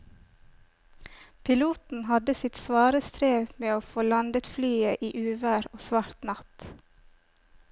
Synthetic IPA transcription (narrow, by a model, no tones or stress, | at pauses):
pʰɪluːt̪n̩hɑd̪əsɪt̪sʋɑːɾəst̪ʰɾeːʋmeːoːfoːlɑnd̪ət̪flyːəʔiːʔʉːʋæɾoːsʋɑɾt̪nɑt̪